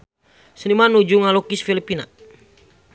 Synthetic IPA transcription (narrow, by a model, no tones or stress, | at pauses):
sənimanud͡ʒuŋalɔkisfilipina